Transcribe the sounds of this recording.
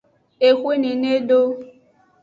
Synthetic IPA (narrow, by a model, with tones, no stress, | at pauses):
e˨xʷi˦nĩ˨ne˦ɖo˦